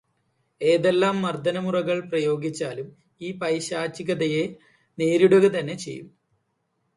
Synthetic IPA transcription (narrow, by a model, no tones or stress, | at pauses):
e̞ːðe̞lːaːmːɐrd̪ʱɐnɐmurɐɣɐɭprɐjo̞ːɡit͡ɕːaːlum | iːpɐjɕaːt͡ɕːiɣɐðɐje | neːɾuɽɐɣɐt̪ɐnːe̞t͡ɕe̞̰jːum